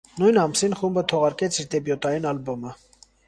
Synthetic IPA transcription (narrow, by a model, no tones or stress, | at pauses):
nujnɑmsinχumbət̪ʰɔʁɑɾkɛt͡sʰiɾd̪ɛbjɔt̪ɑjinɑlbɔmə